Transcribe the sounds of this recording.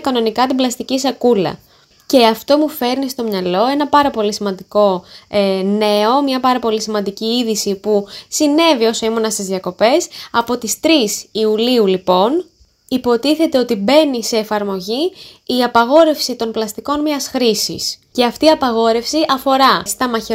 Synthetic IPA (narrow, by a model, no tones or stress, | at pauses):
kɐno̞nikɐt̪iblɐst̪icisɐkulɐ̰ | ce̞ɐft̪o̞mufe̞ɾnist̪o̞mɲɐlo̞e̞nɐpɐɾɐpo̞lisimɐnd̪iko̞ | ne̞o̞mɲɐpɐɾɐpo̞lisimɐnd̪iciiðisipusine̞vio̞so̞imonɐst̪izðiɐko̞pe̞sɐpo̞t̪ist̪ɾisiuliulipo̞n | ipo̞t̪iθe̞t̪e̞o̞t̪ibe̞nise̞ːfɐɾmo̞ʝiːɐpɐɣo̞ɾe̞fsit̪o̞nplɐst̪iko̞nmiɐsxɾisḭsce̞ɐft̪iiɐpɐɣo̞ɾe̞fsiʔɐfo̞ɾɐst̪ɐmɐçe